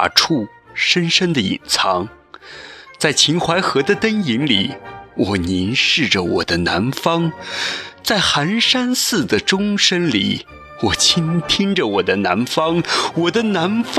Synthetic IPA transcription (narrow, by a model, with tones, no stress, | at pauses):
ʈ͡ʂʰu˥˩ | ʂə˥nʂə˥nd̪ə˨ḭ˨˩nt͡sʰɑ˧˥ŋ | t͡sa˥˩ɪt͡ɕʰi˧˥nxwa˧˥ɪxɤ˧˥d̪ə˧t̪ə˥ni˧˥ŋli˨˩˦wɔ˨˩ni˧˥nʂɻ̩˥˩ʈ͡ʂə˩wɔ̰˨˩d̪ə˦na̰˧˥nfɑ˥ŋ | t͡sa˥˩ɪxa˧˥nʂa˥nsɹ̩˥˩d̪ə˩ʈ͡ʂʊ˥ŋʂə˥nlḭ˨˩˦ | wɔ˨˩t͡ɕʰi˥nt̪ʰi˥ŋʈ͡ʂə˨wɔ˨˩d̪ə˦na̰˧˥nfɑ˥ŋwɔ˨˩d̪ə˦na˧˥nf